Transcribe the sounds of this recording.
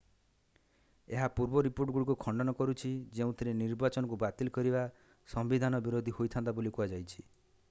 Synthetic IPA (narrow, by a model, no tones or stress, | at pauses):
eɦapuɾbɔɾipoɾʈɡuɽik̬ukʰɔɳɖɔnɔkɔɾut͡ʃʰid͡ʒeũt̪ʰiɾeniɾbat͡ʃɔnɔk̬ubat̪ilkɔɾiba | sɔmbid̪ʱanɔbiɾod̪ʱihojt̪ʰant̪abolikuad͡ʒajt͡ʃʰi̥